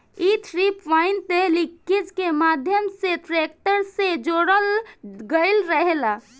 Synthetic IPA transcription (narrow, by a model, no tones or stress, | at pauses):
it̪ʰɾipʋaɪnt̪elikːid͡ʒkemad̪ʱjəmseʈɾek̚ʈəɾsed͡ʒoːɽəlɡəɪlɾəɦela